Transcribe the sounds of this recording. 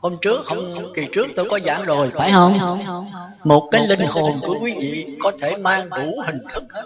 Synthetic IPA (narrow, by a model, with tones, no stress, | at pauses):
ho˧mt͡ɕɨ˦˥ək̚hə˧wŋ͡mki˨˩t͡ɕɨ˦˥ək̚t̪o˧jkɔ˨˦za̰ː˧˩mzo˨˩jfaː˧˩jhə˧n | mo˨˩t̚kaː˨˦jlï˧ŋ̟ho˨˩nku˧˩əkwi˨˦vḭ˧˨kɔ˨˦t̪ʰe˧˩maː˧ŋɗu˧˩hï˨˩ŋ̟t̪ʰɨ˨˦˥k̚